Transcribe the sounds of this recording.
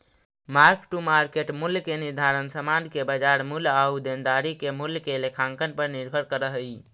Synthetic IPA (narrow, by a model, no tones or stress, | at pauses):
maɾkʈumaɾkeʈmulkeniɾd̪ʱaɾənsəmankebəd͡ʒaɾmulaud̪end̪aɾikemuljkelekʰaŋkənpəɾniɾbʱəɾkəɾəɦəj